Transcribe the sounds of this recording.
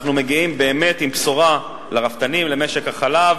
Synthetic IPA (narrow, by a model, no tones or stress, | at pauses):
χnume̞ɡiimbe̞ːme̞t̪impsoʁa | laʁaft̪animlemeʃekhaχalav